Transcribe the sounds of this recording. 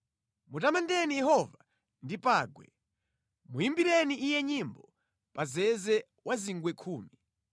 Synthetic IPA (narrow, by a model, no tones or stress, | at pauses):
mutamandɛnijɛhɔva | ndipaːɡwɛ̰ | mujimbiɾɛniʔijɛɲimbɔ | pazɛzɛ | wʔaziŋɡwɛkʰuːmi